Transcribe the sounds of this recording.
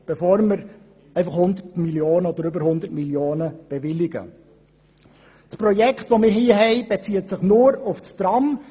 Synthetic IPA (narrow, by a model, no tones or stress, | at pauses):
b̥efoːɾməɾ | ɛɪfɑχhʊnd̪ətmiljoːnəɔdəɾʏbəɾhʊnd̪ətmiljoːnəb̥evɪlɪɡə̰ | spɾɔjɛkχtʋomɪːɾɦiːəɦɛɪb̥et͡siːət̪sɪχnʊːɾʊfst̪ɾɑm